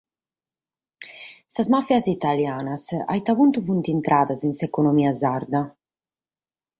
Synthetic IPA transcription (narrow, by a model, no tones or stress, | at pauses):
sazmafjazit̪aljaːnasa̰jt̪aβunt̪uvunt̪int̪ɾaːðazinsɛkɔnomiːazaɾd̪a